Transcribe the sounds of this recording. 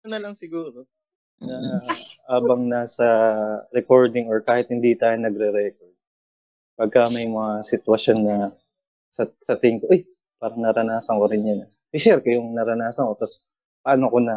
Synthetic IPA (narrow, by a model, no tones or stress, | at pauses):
ɐnɐlɐŋsɪɡuːɾo | nɐhaːbɐŋnasɐɾɛko̞ɹd̪ɪŋoɹkaːhɪt̪̚hɪnd̪it̪aːjonɐɡɾɛɾɛkoɹd̪̚ | pɐɡ̚kamɐjmɐŋasɪt̪wɐsjo̞nːɐ | sɐsɐt̪ɪŋkoʔoj | paːɾɐŋnɐɾɐnaːsɐŋkoɾɪnjɐn | sɪʃɛɾkɐjʊŋnɐɾɐnaːsɐŋkot̪ɐs | pɐʔɐnokonɐ